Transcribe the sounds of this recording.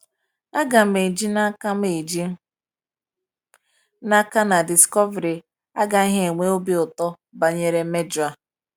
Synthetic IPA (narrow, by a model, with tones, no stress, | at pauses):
a˦ɡa˨m̩e˨d͡ʒi˦na˦ka˦me˨d͡ʒi˦ | na˦ka˦na˨di˨skɔ˦ve˨ɾi˨ | a˦ɡa˨i˦ɦe˦e˨ŋʷe˦o˦bi˦ʊ˨tɔ˦ | ba˨ɲe˨ɾe˦me˦d͡ʒa˦